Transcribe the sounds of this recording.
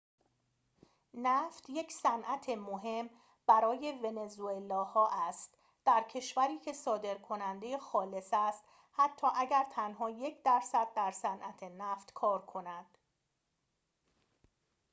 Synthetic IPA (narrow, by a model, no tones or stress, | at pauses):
næft̪je̞csænʔæt̪ʰe̞moɦe̞m | b̥æɾɒːje̞ve̞ne̞zuelɒːhɒːʔæst̪ | d̪̥æɾcʰe̞ʃvæɾiːcʰe̞sɒːd̪e̞ɾkʰo̞nænd̪e̞jexɒːle̞sæst̪ | hæt̪ʰːɒːʔæɟæɾt̪ʰænɦɒːje̞cʰd̪æɾsæd̪̚ːæɾsænʔæt̪ʰe̞næːft̪kʰɒːɾkʰo̞næd̪̥